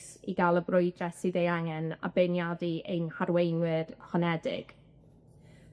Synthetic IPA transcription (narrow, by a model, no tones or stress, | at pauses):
sḭɡalˠəbrʊjdrɛsɨðejaŋɛna̰benjadiʔejnhaɾwejnwɪrhɔnɛdɪ̰ɡ̥